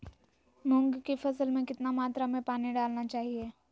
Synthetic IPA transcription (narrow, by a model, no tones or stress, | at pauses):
mʊ̃ŋɡkefɐsəlmẽkɪt̪namaːt̪ɾamẽpaːniɖaːlnat͡ʃaːɦieː